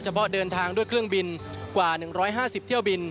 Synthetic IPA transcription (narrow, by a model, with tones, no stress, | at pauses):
t͡ɕʰa˧pʰɔ˦˥dɤː˧nt̪ʰaː˧ŋdu˥˩əjkʰɾɯ˥˩əŋbi˧n | kwaː˨˩nɯ˨˩ŋɾɔː˦˥jɦaː˥˩si˨˩p̚t̪ʰi˥˩əwbi˧n